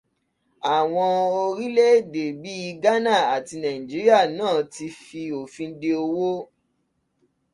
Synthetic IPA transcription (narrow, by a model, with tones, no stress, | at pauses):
a˨w̃ɔ̃˧o˧ɾi˦le˦˨de˨bi˨˦i˧ɡa˦nã˦˨a˨ti˧nã˨ĩ˨d͡ʒi˨˦ɾi˦a˦˨nãː˦˨ti˧fi˧o˨fĩ˧˦de˧o˧wo˦